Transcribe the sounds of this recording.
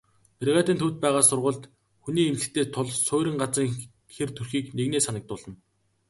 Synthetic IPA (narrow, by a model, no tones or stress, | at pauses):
pʰerʁæːt̪iːnt̪ʰut̪̚pæːʁaːsʊrʁʊ̆ːɮt̪ | xuniːemt͡sɘ̆xt̪ʰeːt̪ʰʊɮsʊːɾʲɪ̆ŋɢat͡sə̆ŋ | xert̪ʰurxiːkneɣneːsanə̆k̚t̪ʊːɮə̆n